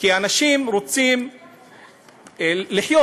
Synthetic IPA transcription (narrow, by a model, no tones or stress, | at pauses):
kianaʃimɾot͡sim | liħjo